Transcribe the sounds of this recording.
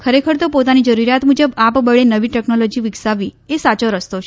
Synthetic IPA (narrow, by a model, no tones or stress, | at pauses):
kʰəɾekʰəɾt̪opot̪anid͡ʒəɾuɾjat̪mud͡ʒəbapbəɭenəʋiʈɛknolod͡ʒiʋɪksaʋiesat͡ʃoɾəst̪ot͡ʃʰ